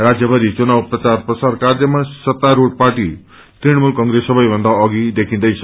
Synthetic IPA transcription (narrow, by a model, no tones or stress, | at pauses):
ɾad͡zjʌbʌɾit͡sunawprʌt͡sarprʌsaɾkaɾʌmasʌt̪ːaɾoɽ̚paʈi | t̪ɾiɽ̃mulkʌŋɡɾesːʌbʌjbʱʌ̃nd̪aʌɡid̪ekʰĩnd̪ʌjt͡sʰʌ